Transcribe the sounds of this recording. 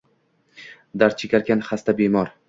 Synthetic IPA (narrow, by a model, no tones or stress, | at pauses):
d̪aɾt͡ʃʰekʲaɾɡʲanχast̪abemɒɾ